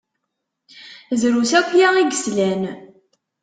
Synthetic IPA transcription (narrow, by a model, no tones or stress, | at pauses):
zɾusækʷːjæiɡəslæn